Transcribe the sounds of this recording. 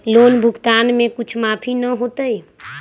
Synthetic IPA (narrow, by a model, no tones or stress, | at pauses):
lonbʱʊkt̪anmekut͡ʃʰmapʰinəɦot̪əj